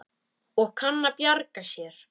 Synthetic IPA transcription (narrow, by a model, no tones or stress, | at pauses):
ɔɣkʰanːapjaɾkasjɛɾ̥